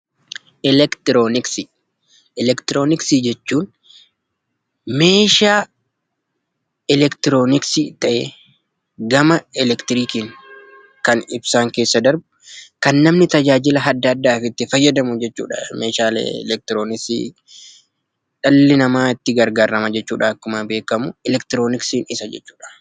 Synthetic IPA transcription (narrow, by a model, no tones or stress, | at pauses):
ʔɛlɛkt̪ɪɾoːnɪksi | ɛlɛkt̪ɪɾoːnɪksid͡ʒɛt͡ʃːuːn | me̞ːʃaː | ɛlɛkt̪ɪɾo̞ːnɪksit̪ɐʔḛː | ɡɐmɐɛlɛkt̪ɪɾiːkiŋ | kɐnɪbsaːŋke̞ːsːɐd̪ɐɾb | kɐnːɐmnɪt̪ɐd͡ʒaːd͡ʒɪlɐɦɐd̪ːɐːd̪ːaːfɪt̪ːɪfɐjːɐd̪ɐmʊd͡ʒɛt͡ʃːṵːᶑɐ̰meːʃaːlḛlɛk̚t̪ɪɾo̞ːnɪksḭː | ᶑɐlːɪnɐmaːɪt̪ːɪɡɐɾɡaːɾɐmɐd͡ʒɛt͡ʃːuːᶑaɐkːʊmabe̞ːkɐmʊɛlɛkt̪ɪɾo̞ːnɪksiːnɪsɐd͡ʒɛ̰t͡ʃːuːᶑɐ̥